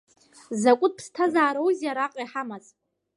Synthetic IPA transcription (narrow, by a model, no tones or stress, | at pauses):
zakʷʼʊt̚pʰstʰazaːɾowzjaɾaqʼiħamazʼ